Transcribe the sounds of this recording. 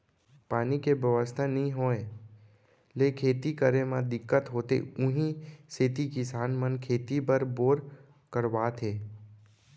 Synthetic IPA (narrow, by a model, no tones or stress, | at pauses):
paːnikebjəʋəst̪ʰanəĩɦoːẽ | leːkʰeːt̪ikəɾemãd̪ɪkːət̪ɦoːt̪ḛʊɦĩset̪ikɪsaːnmənkʰeːt̪ipəɾboːɾ | kəɾʋaːt̪ʰeː